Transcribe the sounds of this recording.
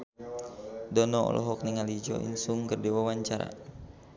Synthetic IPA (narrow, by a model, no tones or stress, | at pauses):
dɔnɔɔ̰lʔɔ̰ɦɔk̚niŋalid͡ʒɔ̰ʔḭnsuŋkərdiwawaɲt͡ʃaɾa̰